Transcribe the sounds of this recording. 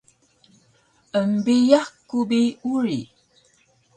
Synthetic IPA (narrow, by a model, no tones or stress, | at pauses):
əmbijakːubiuɹi